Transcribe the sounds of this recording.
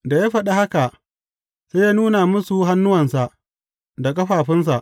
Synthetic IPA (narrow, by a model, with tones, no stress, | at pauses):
da˨jaː˦ɸɐ˨ɗa˦ha˦ka˨ | seː˦jaː˦nuː˦na˨mʊ˦su˨ɦa˦nːʊ˦wɐ˨nsa˨ʔ | da˨kʼɐ˦ɸaː˨ɸɪ˦ns̬a˨ʔ